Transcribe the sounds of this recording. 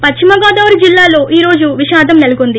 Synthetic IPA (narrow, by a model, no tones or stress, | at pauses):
pɐʂimɐɡɔːd̪ɐʋɐɾud͡ʒilːaːlo̞ːʔiːɾo̞ːd͡ʒuʋiʃaːd̪ʱɐmnelukond̪i